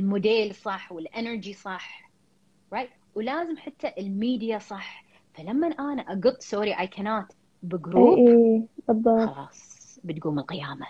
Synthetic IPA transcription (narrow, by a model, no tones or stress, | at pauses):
ɪlmʊd̪eːlsˤɑħːwɪlʔɛnəɾd͡ʒisˤɑħ | ɾajt̪ | wlaːzɪmħat̪ːaʔɪlmiːd̪ijasˤɑħ | falamːanʔaːnaʔaɡʊt̪ˤːsoːɾiʔajkʰanaːt̪ | bɪɡɾuːibːɑb̪ˤːɑɑlɑːsˤ | bɪt̪̚ɡuːmɪlqɪjaːma